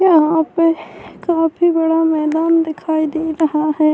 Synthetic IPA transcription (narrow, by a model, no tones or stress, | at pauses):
aːpekaːpʰibɐɽamɛːd̪aːnd̪ɪkʰaːid̪eːɾɐɦaɦɛː